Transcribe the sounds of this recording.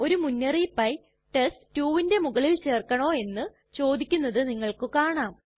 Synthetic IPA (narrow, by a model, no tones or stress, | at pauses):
o̞ɾumunːɐripːɐj | ʈestuːʋinde̞muɣɐɭilt͡ɕe̞ːrkɐɳo̞ːe̞nːɨ | t͡ɕo̞ːd̪ikʲːunːɐðɨniŋːɐɭkɨkaːɳaːm